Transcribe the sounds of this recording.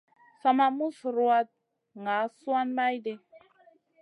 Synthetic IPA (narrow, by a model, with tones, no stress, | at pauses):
sa˧ma˦mu˦sɾu˦wa˧t̚ | ŋa˨˦swa˦nma˦jde˨